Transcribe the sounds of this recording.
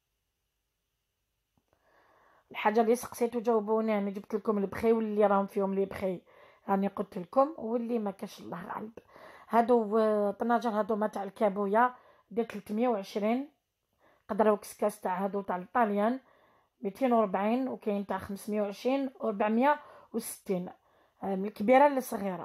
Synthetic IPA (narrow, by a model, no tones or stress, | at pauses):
əlħaʒːalisɑ̥qsit̪ud͡ʒæwbuninid͡ʒəbt̪əlkʊməlbxiwəlːiɾˤɑhʊmfihʊmlibxi | jæniqot̪əlkʊmwəlːimækæʃəlˤːɑhɣæ̰ləbhæd̪ut̪ɑnːɑʒəɾˤhæd̪umæt̪aʕlkæbuja | d̪it̪əlt̪mjawʕəʃɾin | qɑd̪ɾˤwkskæst̪aʕhæd̪uwt̪aʕəlt̪ˤːɑljæn | mit̪ʰinwəɾˤbʕinwkæjəmt̪aʕxəmsmjawʕəʃɾinwɾˤbaʕmjawsə̥t̪ːin | məlkbiɾɑlːisˤɣiɾˤɑ̰